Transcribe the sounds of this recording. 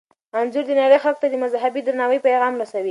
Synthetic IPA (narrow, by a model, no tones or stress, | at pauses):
anzuɾd̪ənaɾəjxalk̚t̪ad̪əmazɦabid̪ɾanɑwəjpajɣɑmɾasawi